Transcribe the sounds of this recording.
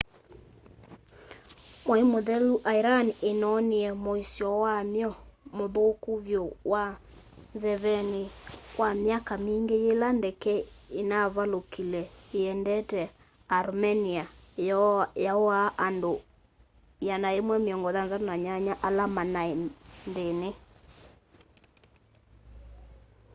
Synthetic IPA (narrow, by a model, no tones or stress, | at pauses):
moemoðɛluʔaiɾanenɔniɛmoisjɔwamjɔmoðokuβjɔwa | nzɛβɛnekwamjakamiːŋɡejelandɛkɛenaβalokilɛeɛndɛtɛ | aɾmɛnia | jaaʔando | janaemwɛmeɔŋɡɔðanzanaɲaɲaʔalamanaendene